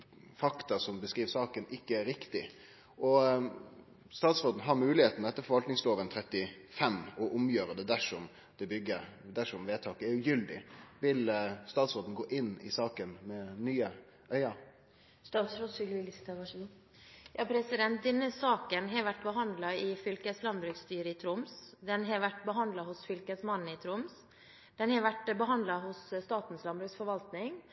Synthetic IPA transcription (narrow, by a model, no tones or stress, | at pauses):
fɑkt̪ɑsɔmbəskɾiːʋsɑːkənʔɪkːəæɾɾɪkt̪ɪ | ʔɔ | st̪ɑːt̪sɾoːd̪n̩ɦɑɾmʉːlɪheːt̪n̩d̪ɛt̪ːəfɔɾʋɑlt̪nɪŋsloːʋənt̪ʰɾɛt̪ːɪ | fɛmɔʔʊmjøːɾəd̪ɛd̪æʂɔm | d̪ɛbʏɡːəɾd̪æʂɔmʋeːt̪ʰɑːkəɛɾjʊjʏld̪ɪ̰ʋɪlst̪ɑːt̪sɾoːd̪n̩ɡoːʔɪnːɪ̰sɑːkənmɛnyːə | ʔœʏɑ | st̪ɑːt̪sɾod̪sʏlʋɪəsɪ̥t̪ʰɛɑʂ | jɑːpʰɾɛsɪd̪ɛnt̪̚d̪ɛnːəsɑːkənɦɛɾʋæʈːbəɦɑnd̪lɑɪfʏlkəslɑnbɾʉkst̪yːɾəɪt̪ʰɾʊmsd̪ɛnɦɛɾʋæʈbəɦɑnd̪lɑhʊsfʏlkəsmɑnn̩ɪt̪ʰɾʊms | d̪̥ɛnhɑɾʋæʈbəɦɑnd̪lɑɦʊsst̪ɑːt̪n̩slɑnbɾʉːksfɔɾʋɑlt̪nɪŋ